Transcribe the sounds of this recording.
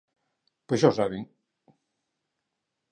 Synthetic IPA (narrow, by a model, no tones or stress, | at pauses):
pəʃɔsaβeŋ